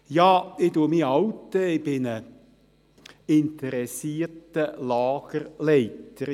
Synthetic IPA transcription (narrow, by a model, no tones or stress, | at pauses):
jɑːɪduəmiɑwtːəɪb̥ɪnə | ɪnt̪əɾɛsiːtəlɑːɡ̥əɾlɛɪtəɾ